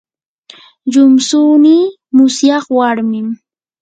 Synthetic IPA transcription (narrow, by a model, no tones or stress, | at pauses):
ʎʊmsuːniː | mʊsjɑχwaɾmɪm